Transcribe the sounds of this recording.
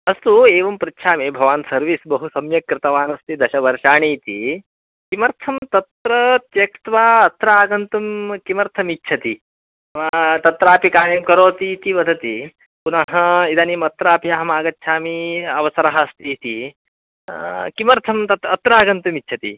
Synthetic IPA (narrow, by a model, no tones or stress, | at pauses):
ɐst̪ueːʋɐmpɾɪt̪ːʃʰaːmibʱɐʋaːnsɐɾʋisbɐɦusɐmjɐkːɾɪt̪ɐʋaːnɐst̪id̪ɐʃɐʋɐɾʃaːɳ̃iːt̪ḭ | kimɐɾt̪ʰɐmt̪ɐt̪ɾɐt̪jɐkt̪ʋaːɐt̪ɾaːɡɐnt̪umkimɐɾt̪ʰɐmitːt͡ʃʰɐt̪i | t̪ɐt̪ɾaːpikaːɾjɐmkɐɾoːt̪iːt̪iʋɐd̪ʱɐt̪i | punɐɦɐid̪aːniːmɐt̪ɾaːpiɐɦɐmaːɡɐtːʃʰaːmiɐʋɐsɐɾaɦɐst̪it̪i | kimɐɾt̪ʰɐmt̪ɐt̪ɐt̪ɾaːɡɐnt̪ɐmitːt͡ʃʰɐt̪ḭ